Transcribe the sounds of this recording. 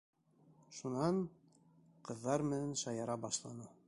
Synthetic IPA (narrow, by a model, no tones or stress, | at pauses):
ʃunɑɴ | qɤ̆ðːɑɾmɘ̆nænʃɑjɑɾɑbɑʃlˠɑnɤ